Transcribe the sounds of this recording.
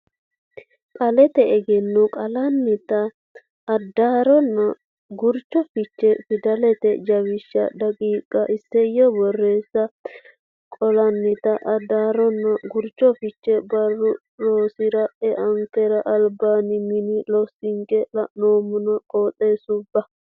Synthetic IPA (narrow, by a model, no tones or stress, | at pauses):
kʼɐlɛt̪ɛɛɡɛnːʊkʼɐlɐnːɪt̪ɐː | d̪ːaːɾɔnːɐ | ɡʊɾt͡ʃːɔfɪt͡ʃːɛfɪd̪ɐlɛt̪ɛd͡ʒɐwɪʃːɐ̰d̪ɐkʼiːkʼːɐʔɪsːɛjɔbɔrːe̞ːsːɐ | kʼɔlɐnːɪt̪ɐʔɐd̪ːaːɾɔnːɐɡʊɾt͡ʃːɔfɪt͡ʃːɛbɐrːʊ | loːsɪɾɐʔɛʔɐŋkɛɾɐʔɐlbaːnɪmɪnɪlɔsɪŋkɛlɐnoːmʊnɐkʼoːt̪ʼːeːsʊbːɐ